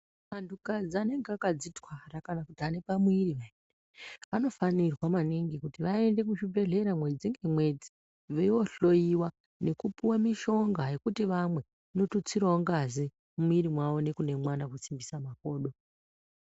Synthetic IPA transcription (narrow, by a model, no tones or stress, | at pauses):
mantʰukad͡zane̞ŋɡeakad͡zitwarakanakutiane̞pamuiɾiʋaende | ʋano̞fanirwamaniŋɡikutiʋae̞nde̞kuʃibe̞ɮe̞ɾamwe̞d͡ziŋɡemwe̞d͡zi | ʋeo̞ɬo̞jiwa | ne̞kupuwamiʃo̞ŋɡaje̞kutiʋamwe̞ | notut͡siɾoŋɡazi | mumuiɾimwaʋo̞ne̞kunemwanakut͡simbisamako̞ːɗo̞